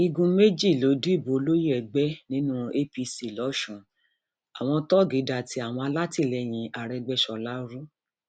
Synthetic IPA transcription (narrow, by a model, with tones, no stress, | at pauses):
i˧ɡũ˧me˦d͡ʒi˦˨lo˨˦du˦i˦˨bo˨˦o˧lo˦ji˦ɛ˨ɡ͡bɛ˦nĩ˦nũ˦e˦pi˧si˨lɔ˨˦ʃũ˨ | a˨w̃ɔ̃˧tɔ˦ɡi˨˦da˧˨ti˧˦a˦˨w̃ɔ̃˧a˧la˦ti˦˨lɛ˧j̃ĩ˧ʔa˨ɾɛ˧ɡ͡bɛ˧˦ʃɔ˧˨la˨˦ɾu˦